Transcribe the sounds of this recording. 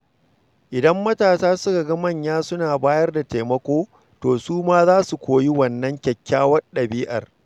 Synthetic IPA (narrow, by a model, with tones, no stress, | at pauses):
ʔɪ˨dɐ˦mːɐ˦taː˨saː˦sʊ˦ka˨ɡɐ˦mɐ˦˨ɲjaː˦sʊ˦naː˨baː˦jɐ˦rda˨teː˨mɐ˦kʷoː˦ | toː˨suː˦maː˦zaː˦su˨kʷoː˨ji˦wɐ˨nːɐ˦ŋkʲɐ˨kʲʰːaː˦wɐ˦ɗɐ˨biː˦ʔɐ̰˨r